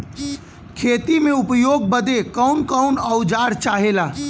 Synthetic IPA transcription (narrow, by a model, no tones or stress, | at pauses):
kʰeːt̪imeupjoɡ̚bəd̪ekəʊnkəʊnəʊd͡ʒaːɾt͡ʃaɦela